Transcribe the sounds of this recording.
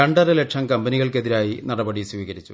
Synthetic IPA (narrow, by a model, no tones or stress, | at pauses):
ɐɳɖɐɾɐlekʂɐmkɐmbɐniɣɐɭke̞ðiɾaːjinɐɽɐbɐɽisʋiːɣɐɾit͡ɕːu